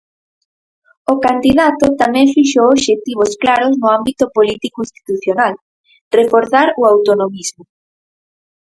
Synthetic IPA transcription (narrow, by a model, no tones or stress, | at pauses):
okand̪iðat̪ot̪amɛ̃ŋfiʃooβʃet̪iβ̞osklaɾoznʊambit̪opolit̪ikoĩst̪i̥t̪uθjonal | refoɾθaɾʊawt̪onomizmʊ